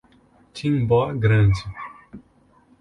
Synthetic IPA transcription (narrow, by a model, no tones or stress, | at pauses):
t͡ʃĩŋbɔɡɾɐ̃nd͡ʒɪ